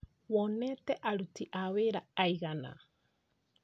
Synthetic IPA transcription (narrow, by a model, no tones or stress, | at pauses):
wɔnɛtɛʔaɾutiʔaweɾaaiɣana̰